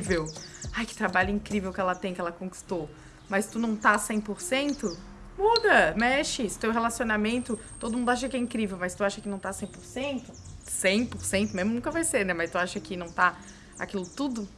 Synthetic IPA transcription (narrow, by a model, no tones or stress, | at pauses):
vewajkɪ̥t̪ɾabaʎʊĩŋkɾivewkɪɛlɐt̪ẽj̃kɪɛlɐkõki̥st̪ow | mɐjst̪unɐ̃w̃t̪asẽj̃poɾsẽnt̪ʊ | mud̪ɐmɛʃɪst̪ewɦelasionamẽnt̪ʊ | t̪od̪ʊmũd̪ʊaʃ̬ɐkɪɛĩkɾivewmɐst̪uaʃɐkɪnɐ̃w̃t̪asẽj̃poɾsẽnt̪ʊsẽj̃poɾsẽnt̪ʊmẽzmʊnũkɐvajseɾnɛmɐst̪uaʃɐkɪnɐ̃w̃t̪a | a̰kilʊt̪ud̪ʊ